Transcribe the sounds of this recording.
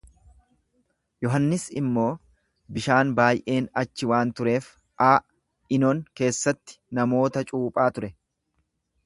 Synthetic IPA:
jɔɦɐnːɪsɪ̰mːo̞ː | bɪʃaːnbaːjʔe̞ːnɐt͡ʃːɪwaːnt̪ʊɾe̞ːf | ʔaː | ɪnoːŋke̞ːsːɐt̪ːɪ̥nɐmo̞ːt̪ɐt͡ʃʼuːpʼaːt̪ʊɾɛ

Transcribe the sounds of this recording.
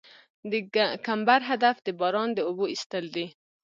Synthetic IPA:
d̪əkambaɾɦad̪afd̪əbɑɾɑnd̪əoboist̪əld̪i

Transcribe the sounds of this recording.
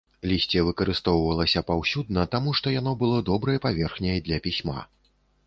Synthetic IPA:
lʲisʲt͡sʲɛvɨkɐɾɨst̪ɔwvɐlˠɐsʲɐpawsʲud̪̚nɐt̪amuʂt̪ɔjan̪ɔbɨlˠɔd̪ɔbɾɐjɐpavʲɛrxnʲejd̪lʲɐpʲisʲma̰

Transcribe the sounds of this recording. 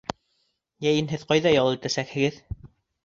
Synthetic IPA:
jæjɘnɦɘðqɑjðɑjɑlˠɤɘ̆t̪æsækhɘ̆ɡɘð

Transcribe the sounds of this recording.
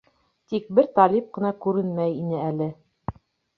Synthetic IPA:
t̪ik̚bɘɾt̪ɑlip̚qɤ̆nɑkʉɾɘnmæjinɘælɘ

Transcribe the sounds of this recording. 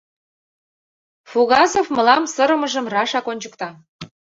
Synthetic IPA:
fuɣɑzofmɤ̆lɑmsəɾə̆mə̆ʒə̆mrɑʃɑkonʲt͡ɕəkt̪ɑ

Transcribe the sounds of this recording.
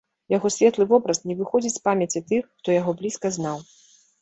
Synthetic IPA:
jaɣɔsʲvʲɛt̪lˠɨvɔbɾɐsnʲɛvɨxɔd͡zʲit͡sʲspamʲɐt͡sʲit̪ɨxːt̪ɔjaɣɔblʲiskɐznaw

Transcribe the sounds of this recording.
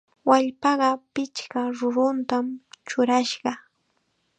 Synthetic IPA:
waʎpɑɢɑpɪt͡ʃkaɾʊɾʊnt̪amt͡ʃʊɾaʃɢɑ

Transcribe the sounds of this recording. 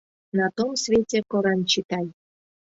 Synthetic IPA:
nat̪omsvʲetʲekoɾɑnt͡ɕit̪ɑj

